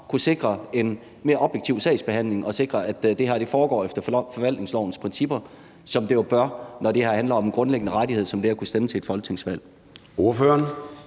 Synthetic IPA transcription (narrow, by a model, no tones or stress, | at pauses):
kʰuse̝ɡ̥ʁɐe̝n | me̝ːɐɒ̽b̥jeɡ̥̚t͡sʰiʊ̰sɛ̰ɪsb̥e̝ɦæn̰le̝ŋʔɒ̽se̝ɡ̥ʁɐʔæd̥d̥e̝ɦæɐ̰de̝fɒːɡ̥ɒ̰ːefd̥ɐfɒ̽ʋæl̰d̥ne̝ŋslɒʊn̩spʰʁɛnsib̥ɐ | sɒ̽md̥e̝job̥ɶɐnɒd̥e̝hæɐ̰hænlɐɒ̽menɡ̥ʁɔ̽nleɡ̥ənəʁaɾiheð̰ˠsɒ̽md̥e̝æɐkʰusd̥emət͡sʰe̝ed̥fɒ̽lɡ̥t͡sʰe̝ŋ̰sʋæl̰ | o̝ɐføːɐn